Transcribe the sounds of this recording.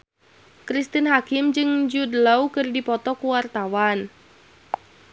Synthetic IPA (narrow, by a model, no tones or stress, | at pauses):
kɾist̪inɦakɪmd͡ʒɨŋd͡ʒudəlaukɨrdipɔt̪ɔkuwart̪awan